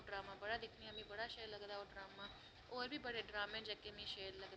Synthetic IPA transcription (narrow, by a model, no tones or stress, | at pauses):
ɖɾaːmãːbəɽaːd̪ɪkʰnɪjãːmĩːbəɽaːʃeːɾləɡd̪aːoːɖɾaːmaː | oːɾbʱiːbəɽeːɖɾaːmẽːd͡ʒəkemĩːʃeːɾləɡd̪